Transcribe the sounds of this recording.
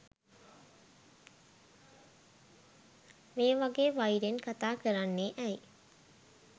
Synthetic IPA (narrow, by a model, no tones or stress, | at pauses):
meːʋaɡeːʋajidenkat̪aːkəɾanːeʔæj